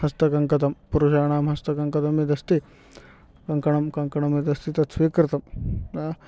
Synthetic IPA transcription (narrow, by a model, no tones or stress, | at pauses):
hɐst̪ɐkɐŋkɐt̪̬ɐmpuɾuʃaːɳaːmɦɐst̪ɐkɐŋkɐt̪ɐmid̪ɐst̪i | kɐŋkɐɳɐmkɐŋkɐɳɐmid̪ɐst̪it̪ɐt̪sʋiːkɾɪt̪ɐmaː